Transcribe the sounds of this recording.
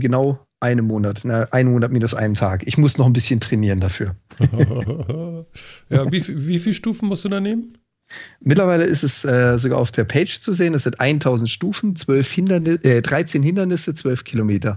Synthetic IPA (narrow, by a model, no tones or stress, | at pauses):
ɡənaʊ | ʔaɪnəmːoːnatnəʔaɪnmoːnat̚miːnʊsʔa̰ɪnəmtʰaːkʔɪçmʊsnɔχn̩bɪsçəntʁ̥ɛniːʁəndafyːɐ | jaːviːfviːfiːlʃtuːfn̩mʊɐstd̥uːdaːneːmən | mɪtlɐvaɪləɪstɛsʔɛːzoɡa̰ːaʊfd̥eːɐpʰeɪt͡ʃt͡suzeːənɛsz̥ɪntʔaɪntʰaʊzn̩tʃtuːfn̩t͡sv̥œlfhɪndɐnɪʔɛːdʁaɪt͡seːnhɪndɐnɪsət͡sv̥œlfkʰilomeːtɐ